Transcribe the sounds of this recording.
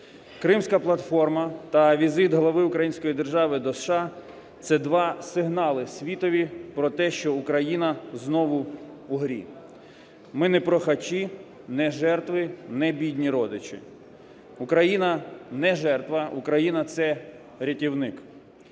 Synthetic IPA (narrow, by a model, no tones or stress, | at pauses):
kɾɪmsʲkɐplˠɐt̪fɔrmɐt̪ɐʋʲizɪt̪ɦlˠɐʋɪʊkɾɐjinʲsʲkɔjid̪erʒɑʋɪd̪ɔsʃɑ | t̪sɛd̪ʋɑsɪɦnɑlˠɪsʲʋʲit̪ɔʋʲipɾɔt̪ɛʃt͡ʃɔukɾɐjinɐznɔʋʊːɦɾʲḭ | mɪnɛpɾɔxɐt͡ʃi | nɛʒɛrt̪ʋɪnɛbʲidʲnʲiɾɔd̪ɪt͡ʃɪ̰ | ukɾɐjinɐnɛʒɛrt̪ʋɐukɾɐjinɐt̪sɛ | ɾʲɐtʲiwnɪk